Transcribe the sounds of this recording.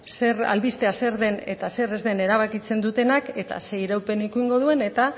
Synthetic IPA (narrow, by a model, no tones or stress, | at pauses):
se̞ra̰lβist̪e̞ase̞ɾðe̞ne̞̰t̪ase̞re̞zðe̞ne̞ɾaβakit͡se̞nd̪ut̪e̞nake̞t̪a̰se̞iɾawpe̞nikuiŋɡo̞ð̞ue̞ne̞t̪a